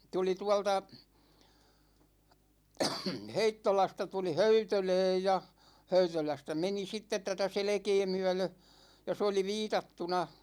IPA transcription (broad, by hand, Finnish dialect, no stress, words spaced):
tuli tuɑ̝ltɑ heitːolɑstɑ tuli høytølɛːj jɑ høytølæstæ meni sitːet tætæ selĕkeː myæ̝lø jɑ s oli ʋiːtɑtːunɑ